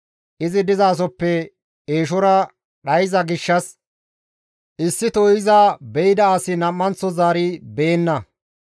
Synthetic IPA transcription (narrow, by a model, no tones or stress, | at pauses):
ʔɪzɪd̪ɪzaːs̬ɔpːɛ | e̞ːʃɔɾɐ | ɗɐjɪzɐɡɪʃːɐs | ʔɪsːɪt̪oɪzɐbɛjɪd̪ɐːsɪnɐmːɐnt͡sːɔzaːɾɪbe̞ːnːɐ